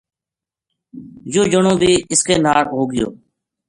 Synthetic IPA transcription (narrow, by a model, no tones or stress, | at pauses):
joːd͡ʒəɳõːbʱiːɪskeːnaːɾɦoːɡɪjo̰ː